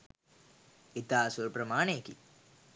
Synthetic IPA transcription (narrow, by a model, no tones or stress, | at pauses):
it̪aːsuɾpɾəmaːneːkḭ